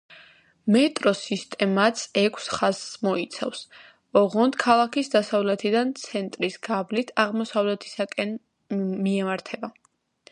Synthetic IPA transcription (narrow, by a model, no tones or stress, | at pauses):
mɛt̪ʼɾɔsist̪ʼɛmat̪sʰɛkʰsχazmɔit̪sʰa̰fs | ɔʁɔnd̪kʰalˠakʰisd̪asavlɛt̪ʰid̪ant̪sʰɛnt̪ʼɾisɡ̥ablit̪ʰaʁmɔsavlɛt̪ʰi̥sakʼɛn | miɛmaɾt̪ʰɛba